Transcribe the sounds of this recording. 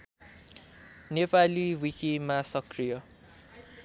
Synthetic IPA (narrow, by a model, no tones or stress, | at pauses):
nepaliwikimasʌkrijʌ